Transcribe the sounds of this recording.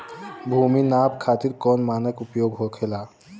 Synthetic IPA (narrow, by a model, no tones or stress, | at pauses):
bʱuminabkʰat̪iɾkɔnmanəkupjoɡɦokʰela